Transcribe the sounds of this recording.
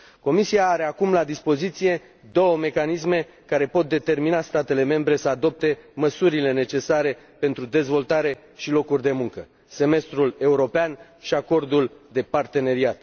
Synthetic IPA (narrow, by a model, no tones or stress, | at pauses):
ko̞misiaːɾe̞akumlad̪ispo̞zit̪sije̞ | d̪o̞wəme̞kanis̬me̞ | kaɾe̞po̞t̪̚d̪e̞t̪e̞rminast̪at̪e̞le̞me̞mbɾe̞səad̪o̞p̚t̪e̞məsuɾile̞ne̞t͡ʃe̞saɾe̞ | pe̞nt̪ɾud̪e̞zvo̞lt̪aɾe̞ | ʃilo̞kurʲd̪e̞muŋkə | se̞me̞st̪ɾule̞uɾo̞pean | ʃiako̞rd̪uld̪e̞part̪e̞ne̞ɾiat̪